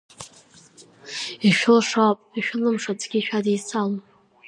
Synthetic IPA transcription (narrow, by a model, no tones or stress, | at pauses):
iʃᶣlʂawpʼiʃᶣlɨmʂat͡sʼɡʲiʃᶣadejsal